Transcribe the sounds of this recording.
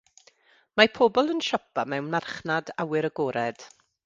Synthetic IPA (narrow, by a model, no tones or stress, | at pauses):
mapʰoːbɔlˠənʃɔpʰamɛwnmarχnadawɨɾəɡɔːɾɛd̥